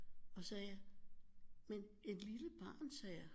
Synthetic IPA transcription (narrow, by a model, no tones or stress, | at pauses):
ɒ̽sɛːja | men | e̝d̥liləb̥ɑ̈ːnsɛːja